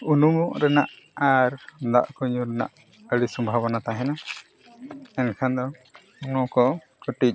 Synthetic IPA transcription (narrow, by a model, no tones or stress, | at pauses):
unumuʔɾɛnaʔ | aɾd̪a̰ʔkuɲuɾɛna̰ʔ | əɽisɔmbʱaβɔnat̪aɦɛna | ɛnkʰand̪ɔ | unɔkɔ | kəʈic̚